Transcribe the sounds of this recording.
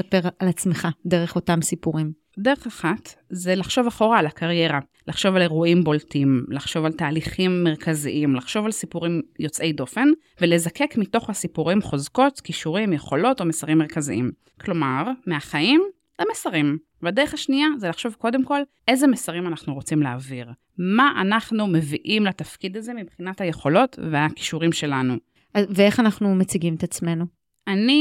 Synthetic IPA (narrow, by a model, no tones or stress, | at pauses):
sapeʁalat͡smeχadeʁeχo̞tamsipuʁim | de̞ʁeχaχatzelaχʃo̞vaχo̞ʁaːlakʰaʁje̞ʁa | laχʃo̞vale̞ʁuʔimboltimlaχʃo̞valtaːliχimːeʁ̞kʰazḭʔimlaχʃo̞valsipuʁimjo̞t͡sʔe̞jdo̞fe̞n | vele̞zake̞kmito̞χhasipuʁimχo̞zko̞tkiʃuʁimjeχo̞lo̞to̞mesaʁimːeʁkazḭʔim | kʰlo̞maʁmeaχaim | lemesaʁim | vade̞ʁeχhaʃniazelaχʃo̞vko̞d̪e̞mko̞lʔe̞zemesaʁimanaχnuʁo̞t͡simleaviʁ | maʔanaχnume̞viʔimlatafkid̪aze̞mibχinathaje̞χo̞lo̞tveaki̥ʃuʁimʃe̞lanu | aveeχanaχnumet͡siɡimt̪at͡sme̞nu | ani